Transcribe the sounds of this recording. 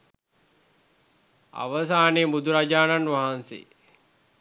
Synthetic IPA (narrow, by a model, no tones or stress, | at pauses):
a̰ʋəs̬aːneːbud̪ʱuɾad͡ʒaːnanʋaɦansḛː